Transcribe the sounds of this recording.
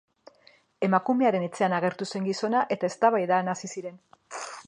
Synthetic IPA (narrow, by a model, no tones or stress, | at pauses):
e̞makume̞aɾe̞ne̞t͡se̞anaɣ̞e̞ɾt̪use̞ŋɡiso̞naʔe̞t̪ae̞st̪aβajðanasisiɾe̞n